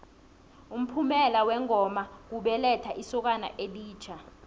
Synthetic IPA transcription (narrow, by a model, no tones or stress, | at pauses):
um̩pʰumɛlawɛŋʱɔmak̬uɓɛlɛtʰaʔisɔk̬ana̰ʔeɗiːt͡ʃʰa